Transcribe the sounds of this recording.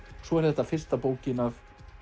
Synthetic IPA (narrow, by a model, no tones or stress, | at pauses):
svɔɛɾðɛt̪ːafɪr̥st̪apoːwcɪnav